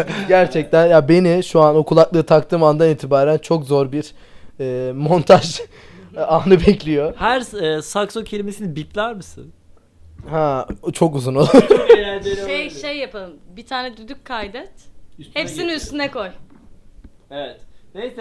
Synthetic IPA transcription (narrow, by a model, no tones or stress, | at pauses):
ɟæɾt͡ʃʰɛc̚t̪ʰænjabe̞niʃuanokʰulˠaklˠɯːt̪ʰak̚t̪ʰɯːmand̪aniːt̪ʰibaːɾænt͡ʃʰo̞kzo̞ɾbiɾ | ɛːmo̞nt̪ʰaʒ | aːnɯbɛclʲijo̞hæɾːsaksocʰelʲimesinibit̪lʲæɾmɯsɯ̰n | hɛ̃t͡ʃʰo̞kuzunolˠu | ʃejʃejːapʰalˠɯmbit̪ʰaːnɛd̪yd̪ykkʰːajd̪ɛt̪hepsiniyst̪ynɛko̞j | eɛt̪nej